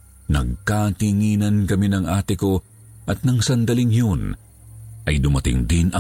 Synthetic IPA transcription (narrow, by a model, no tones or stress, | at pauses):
nɐ̰ɡ̚kat̪ɪŋiːnɐnkɐminɐŋʔaːt̪ɪko̞ | ʔɐt̪̚nɐŋsɐnd̪ɐlɪŋjon | ʔɐjd̪ʊmɐt̪ɪ̰ŋd̪ɪnɐ